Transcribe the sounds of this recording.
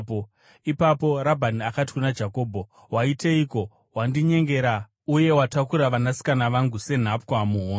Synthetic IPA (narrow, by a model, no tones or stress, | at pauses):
o | ipapo̞ɾabʱaniakati̥kunad͡ʒako̞ːbʱo̞ | waiteiːko̞ | wandiɲe̞ŋɡe̞ɾa | uje̞watakuɾaʋanasi̥kanaʋaŋɡuse̞n̤ap̚kwamuɦoː